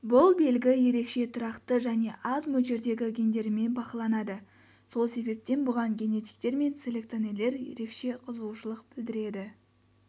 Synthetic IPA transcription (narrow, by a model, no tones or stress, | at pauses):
bʊlˠbe̞lɡʲɪje̞ɾe̞kʃe̞t̪ʰʊɾɑqt̪əʒæne̞ʔɑzmɵʒe̞ɾd̪e̞ɡʲɪɡʲend̪e̞ɾɪme̞nbɑqɑlˠɑnɑd̪ə | so̞lˠse̞be̞p̚t̪e̞nbʊʁɑɴɡʲe̞ne̞t̪i̥k̚t̪e̞ɾme̞nse̞lʲe̞kt̪sone̞lːe̞ɾje̞̰ɾe̞kʃe̞qʰəzuwʃəlˠəq̚b̥ɪld̪ɪɾe̞d̪ɪ